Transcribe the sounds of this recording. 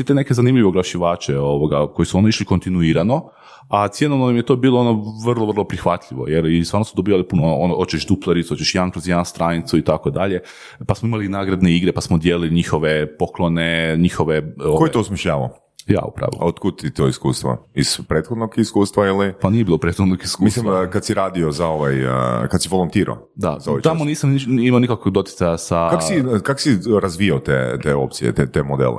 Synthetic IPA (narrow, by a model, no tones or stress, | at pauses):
it̪ene̞kezanimʎiʋoɡlˠaʃiʋaːt͡ʃeoʋoɡako̞jisuond̪oiʃliko̞nt̪inuiːɾano̞ | at̪sjenonoimjet̪obiːlˠoono̞ʋr̩lˠoʋər̩lˠopɾixʋat̪ʎiʋo̞̰jeɾisʋaːɾnosud̪obiːʋalipunoonoʔonoʔot͡ʃeʃd̪uplˠeɾit̪uot͡ʃeʃijaŋkɾozjnst̪ɾaːnit̪suit̪akod̪aʎe̞ | pasmoimalinaːɡɾad̪neiɡɾepasmod̪jeːliliɲixo̞ʋepo̞klˠoneɲixo̞ʋeokojt̪ousmʲjiʃʎaːʋa̰o | ja̰ːṵpɾa̰ʋ̰ot̪kud̪̚t̪it̪oiskuːst̪ʋa̰iz̥pɾeːt̪xod̪noɡiskuːst̪ʋailipanijebiːlopɾet̪xod̪noɡiskumislimkad̪siɾaːd̪iozaoʋajkad̪siʋolˠont̪iːɾo̰ | d̪a̰zaojet͡ʃt̪amoniːsamiimaonikakʋoɡd̪o̞t̪jɪ̥t̪ajasakaosikakosiɾazʋijaot̪ḛt̪eo̞̰p̚t̪sḭjḛt̪et̪emod̪ḛlḛ